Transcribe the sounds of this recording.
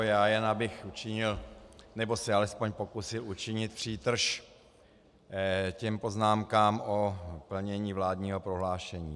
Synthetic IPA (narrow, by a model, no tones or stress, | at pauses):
jaːjɛnabɪxut͡ʃɪɲɪlnɛbo̞sɛalɛspo̞ɲpo̞kusɪlut͡ʃɪɲɪt̪̚pr̥iːt̪r̩ʃ | cɛmpo̞znaːmkaːmʔopl̩ɲɛɲiːvlaːdɲiːɦo̞pɾo̞ɦlaːʃɛɲiː